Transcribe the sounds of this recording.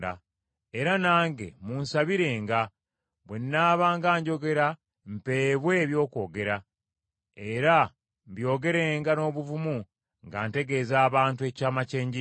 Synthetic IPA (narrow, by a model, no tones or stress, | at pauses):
a̰ | e̞ɾanaːŋɡe̞̰munsaβiɾe̞ːŋɡa | βwe̞nːaːβaːŋɡaːɲɟo̞ɡe̞ɾa | m̩pe̞ːβwe̞ːβjo̞ːko̞ːɡe̞ɾa | e̞ɾa | mbjo̞ːɡe̞ɾe̞ːŋɡano̞ːβuvumu | ŋɡa̰ːnte̞ɡe̞ːzaːβaːntue̞caːmace̞ːɲɟi